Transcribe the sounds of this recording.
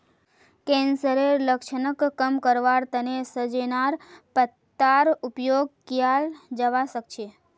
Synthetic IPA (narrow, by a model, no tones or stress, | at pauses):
kɛ̃nsəɾeləkʃənəkːəmkəɾʋaɾt̪ənesəd͡ʒenaɾpət̪ːaɾupjoɡ̚kjald͡ʒəʋaʃəkt͡ʃʰe